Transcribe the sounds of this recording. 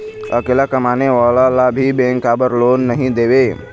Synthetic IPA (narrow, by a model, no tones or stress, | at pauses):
ə̰kelakəmaneʋalalabʱibẽŋkabəɾlonːəɦĩd̪ebe